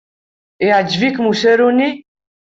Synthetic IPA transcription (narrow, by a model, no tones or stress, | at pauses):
ɛad͡ʒvikmuʃɛɾuni